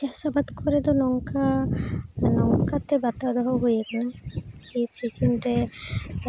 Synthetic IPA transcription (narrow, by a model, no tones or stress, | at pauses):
d͡ʒasabad̪kʰɔɾɛd̪ɔnɔŋka | nɔŋkat̪ɛbat̪ad̪ɔɦɔɦojeknakisid͡ʒinʈe